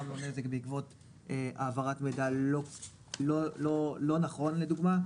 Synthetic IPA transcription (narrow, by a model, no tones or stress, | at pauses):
amlonezekbeikvo̞t | eʔaːvaʁatmedao | lololo̞naχo̞nle̞duɡma